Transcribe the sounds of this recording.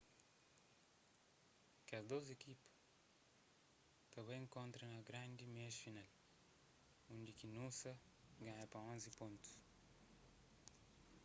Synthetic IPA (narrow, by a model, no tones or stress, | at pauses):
kɐzd̪ozekipɐ̥ | t̪ɐ̃βẽj̃ŋkõnt̪ɾɐ̃nɐɡɾãnd̪imeʃfinal | ũnd̪ikinũsɐ | ɡãɲɐpɾɐõnzipõnt̪u̥s